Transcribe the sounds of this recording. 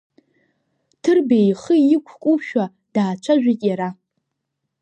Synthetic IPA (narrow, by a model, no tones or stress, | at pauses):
tʰɨrbejχəjɪkʷʰkʷʼuʃᶣa | d̥aːt͡ʃʷʰaʒᶣitʼjaɾa